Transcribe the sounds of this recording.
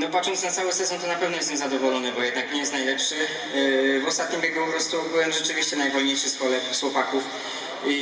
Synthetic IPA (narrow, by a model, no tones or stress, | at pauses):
nɔpatʂɔnt̪snat̪sawɛsɛzɔ̃nt̪ɔnapɛvnɔjɛst̪ɛmzad̪ɔvɔlɔnɛbɔjɛd̪nakɲɛjɛst̪najlɛpʂɘ | vɔst̪at̪ɲimbʲjeɡupɔpɾɔst̪ubɘwɛmʐɛt͡ʂɘvʲiɕt͡ɕɛnajvɔlɲejʂɘspɔlɛswɔpakuf | i